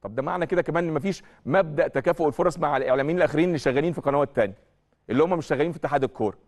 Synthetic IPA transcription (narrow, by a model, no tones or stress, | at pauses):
t̪ˤɑb̚d̪æma̰ʕnæked̪ækæmæːnʔenːmæfiːʃ | mæb̚d̪æʔt̪ækæːfoʔelfoɾˤɑsˤmaʕalʔeʕlæːmeiːnelʔæxeɾiːnʔelːiʃæɣːæliːnfiqɑnæːwæt̪ːænjæ | ʔelːihomːæmeʃʃæɣːæliːnfiet̪ːeħaːd̪elkʰːoːɾˤɑ